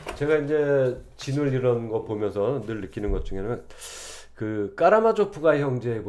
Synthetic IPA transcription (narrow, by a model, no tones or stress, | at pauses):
t͡ɕe̞ɡaind͡ʑe̞t͡ɕinɯɭiɾʌnɡʌtpomjʌnsʰʌnɯɭnɯk͈inɯnɡʌt̚t͡ɕ͈uŋɦeɲamjʌ | kɯk͈aɾamad͡ʑopʰuɡaeçjʌŋd͡ʑe̞ːbo